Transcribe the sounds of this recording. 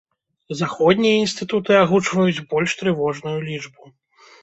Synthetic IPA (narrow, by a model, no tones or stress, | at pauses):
zaxɔd̪̚ʲnʲijɐinst̪ɨt̪ut̪ɨaɣut͡ʂvɐjut͡sʲbɔlʲʂt̪ɾɨvɔʐnujulʲit͡ʂbu